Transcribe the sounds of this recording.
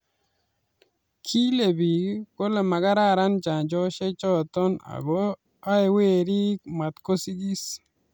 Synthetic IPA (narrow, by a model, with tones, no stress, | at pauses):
kʰi˦le˨bi˨ko˦le˨ma˨ɡa˦ɾa˦˨ɾa˦nd͡ʒa˨nd͡ʒɔ˦ʃe˦t͡ʃɔ˦t̪ɔ˦na̰˨ɡo˦ | a˦e˨we˦ɾi˦ma˨t̪ko˦si˦ɡi˦s